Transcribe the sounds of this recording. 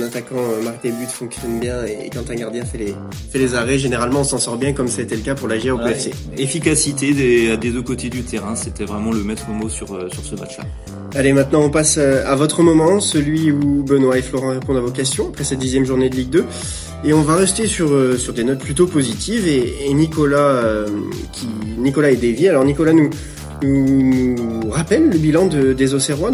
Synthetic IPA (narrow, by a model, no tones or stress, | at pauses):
nat̪akɑ̃ømaʁk̚d̪ebyt̪fɔ̃ksjɔnbjɛ̃ḛːkɑ̃t̪ɛ̃ɡaʁd̪jɛ̃fɛle | fɛlezaʁɛʒeneʁalmɑ̃ɔ̃sɑ̃sɔʁbjɛ̃kɔmsaet̪ɛləkapuʁlaʒiʁopeɛfsḛ | efikasit̪ed̪ead̪ed̪økot̪ed̪yt̪ʰeʁɛ̃set̪ɛvʁɛmɑ̃ləmɛt̪χəmosyʁøsyʁsəma̰t͡ʃla̰ | alemɛ̃t̪nɑ̃ɔ̃pasøavɔt̪χəmɔmɑ̃səlɥiubənwaeflɔʁɑ̃ʁepɔ̃d̪avokʲɛst̪jɔ̃apχɛsɛt̪̚d̪izjɛmʒuʁned̪əliɡ̚d̪ø | eɔ̃vaʁɛst̪esyʁøsyʁd̪enɔt̪̚plyt̪opozit̪ʰiveːnikɔlaø | kʲʰinikɔlaɛd̪evialɔʁnikɔlanu | nunuʁapɛlːəbilɑ̃d̪əd̪ezoseʁwa